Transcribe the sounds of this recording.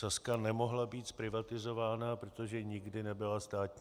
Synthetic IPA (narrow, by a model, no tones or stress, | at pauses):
askanɛmo̞ɦlabiːt̪spɾɪvat̪ɪzo̞vaːnapɾot̪oʒɛɲɪɡdɪnɛbɪlast̪aːt̪ɲ